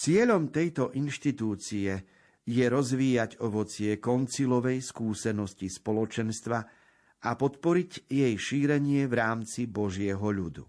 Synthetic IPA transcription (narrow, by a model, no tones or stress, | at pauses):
t͡sɪɛʎɔmt̪ɛjt̪ɔʔinʃt̪it̪uːt͡siɛ | jɛɾɔzʋiːjaɟɔʋɔt͡sɪɛkɔnt͡silɔʋɛjskuːsɛnɔscispɔlɔt͡ʃɛnst̪ʋa | ʔapɔt̪pɔɾiɟjɛjʃiːɾɛɲɪɛvɾaːmt͡sibɔʒɪɛɦɔʎud̪ṵ